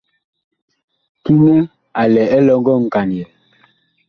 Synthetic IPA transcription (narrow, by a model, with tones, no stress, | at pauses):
ki˦nɛ˦ | a˨lɛ˨ɛ˦lɔ˦ŋɡɔ˦ŋ̩˨ka˨njɛ˨